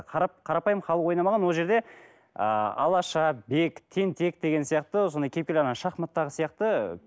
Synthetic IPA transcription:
qʰɑɾɑp̚qʰɑɾɑpɑjəmχɑlˠəqwo̞jnɑmɑʁɑnwo̞lˠʒe̞ɾd̪e̞ | ə̰ɑ̰lˠɑʃɑbe̞kt̪ʰe̞nt̪ʰe̞k̚d̪e̞ɡʲe̞nsijɑqt̪əso̞nd̪ɑjkʲʰepkʲelɑnɑʃɑqmɑt̪ːɑʁəsijɑqt̪ə

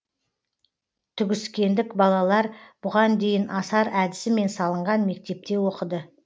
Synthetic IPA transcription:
t̪ʰʏɡʲɪskʲe̞nd̪ɪkbɑlˠɑlˠɑɾb̥ʊʁɑnd̪e̞jɪnʔɑsɑɾæd̪ɪsɪme̞nsɑlˠəɴʁɑnme̞k̚t̪e̞p̚t̪e̞wo̞qəd̪ə

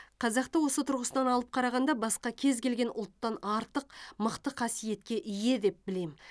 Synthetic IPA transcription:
qʰɑzɑqt̪əwo̞sət̪ʰʊɾʁəsənɑnɑlˠəp̚qʰɑɾɑʁɑnd̪ɑbɑsqɑkʲʰe̞zkʲe̞lɡʲe̞nʔʊ̰lˠt̪ːɑnɑɾt̪əqməqt̪əqʰɑsije̞t̪̚kʲe̞ʔije̞d̪e̞p̚bɪle̞m

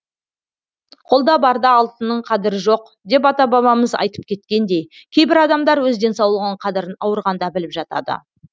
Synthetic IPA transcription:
qʰo̞lˠd̪ɑbɑɾd̪ɑːlˠt̪ənːəɴqʰɑd̪ɪɾəʒo̞q | d̪e̞p̬ɑt̪ɑbɑβɑməzɑ̰jt̪ə̥p̚kʲʰe̞t̪̚kʲe̞nd̪e̞jkʲʰe̞jbɪɾɑd̪ɑmd̪ɑɾwɵzd̪e̞nsɑwlˠəʁəɴqʰɑd̪ɪɾənɑwəɾʁɑnd̪ɑbɪlɪpʒɑt̪ɑ̰d̪ə̰

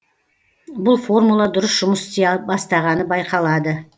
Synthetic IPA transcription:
bʊlˠfo̞rmulˠɑd̪ʊɾəsʒ̥ʊməst̪bɑst̪ɑʁɑnəbɑjqɑlˠɑd̪ə

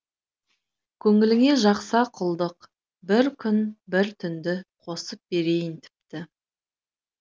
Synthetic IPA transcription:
kʲʰɵŋɪlɪŋe̞ʒɑqsɑqʰʊlˠd̪əq | bɪɾkʲʰʏnbɪɾt̪ʰʏnd̪ɪqʰo̞səp̚be̞ɾe̞jɪnt̪ʰɪ̥p̚t̪ɪ

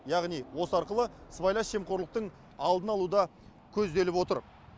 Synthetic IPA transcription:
jɑʁnijwo̞səɑɾqəlˠəsvajlˠɑsʃemqo̞ɾlˠəq̚t̪əɴ | ɑlˠd̪ənɑlˠud̪ɑ | kʲʰɵzd̪e̞lɪpwo̞t̪əɾ

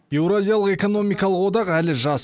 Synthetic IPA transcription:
b̥ewɾazʲijalˠəqe̞ko̞no̞mijkɑlˠəqwo̞d̪ɑqælɪʒɑs

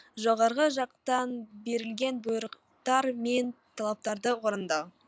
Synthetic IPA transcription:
ʒoʁɑɾʁəʒɑq̚t̪ɑnbe̞ɾɪlɡʲe̞nbʊjɾəq | t̪ɑɾme̞nt̪ʰɑlˠɑp̚t̪ɑɾd̪əwoɾənd̪ɑw

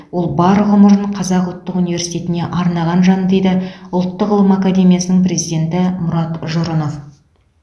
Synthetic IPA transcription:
wo̞lˠbɑɾʁʊməɾəɴqʰɑzɑqʊlˠt̪ːəqunijve̞ɾsijt̪ʲe̞t̪ɪne̞ʔɑɾnɑʁɑnʒɑnəd̪e̞jd̪ɪʊlˠt̪ːəqəlˠəmakad̪e̞mijasənəŋpre̞zijd̪ʲe̞nt̪ɪmʊɾɑt̪ʒoɾənof

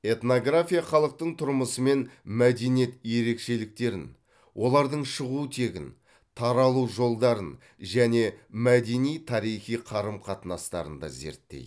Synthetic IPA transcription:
e̞t̪no̞ɡrafʲijaχɑlˠəq̚t̪əɴt̪ʰʊɾməsəme̞nmæd̪e̞nije̞t̪je̞ɾe̞kʃe̞lɪk̚t̪e̞ɾɪ̰n | wʔo̞lˠɑɾd̪əɴʃəʁut̪ʰe̞ɡʲɪ̰n | t̪ʰɑɾɑlˠuʒo̞lˠd̪ɑɾən | ʒæne̞mæd̪e̞nijt̪ʰɑɾijχijqʰɑɾəmqʰɑt̪ənɑst̪ɑ̰ɾə̰nd̪ɑ̰ze̞̰ɾt̪ːḛjd̪

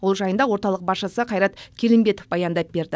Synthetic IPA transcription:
wolˠʒɑjənd̪ɑwo̞ɾt̪ɑlˠəq̚bɑsʃəsəqʰɑjɾɑt̪kʲʰe̞lɪmbe̞t̪ofbɑjɑnd̪ɑp̚be̞ɾd̪ɪ

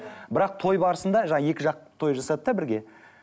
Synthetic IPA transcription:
bɪɾɑq̚t̪ʰo̞jbɑɾəsənd̪ɑʒɑɴɑje̞kʲɪʒɑq̚t̪ʰo̞jʒɑsɑd̪əd̪ɑbɪɾɡʲe̞

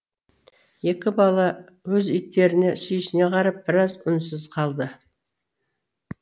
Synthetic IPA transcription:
je̞kʲɪbɑlˠɑ | wɵzijt̪ːe̞ɾɪne̞sijɪʃɪne̞qʰɑɾɑp̚bɪɾɑzʊnsɪzqʰɑlˠd̪ə

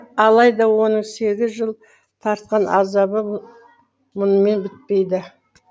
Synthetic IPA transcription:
ɑlˠɑjd̪ɑwo̞nəɴse̞ɡʲɪzʒəlˠ | t̪ʰɑɾt̪̚qɑnʔɑ̰zɑbə | mʊnəme̞nbɪt̪̚pe̞jd̪ɪ

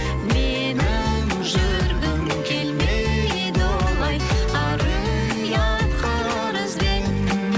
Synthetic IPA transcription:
me | nɪm | ʒʏɾɡ̪ɪm | kʲʰelme | ed̪olˠɑjɑɾəm | jɑt̪qʰɑ | ɾəzben

